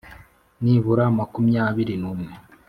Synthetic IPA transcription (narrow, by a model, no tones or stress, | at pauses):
niβuɾaːmakumjaːβiɾinuːmŋe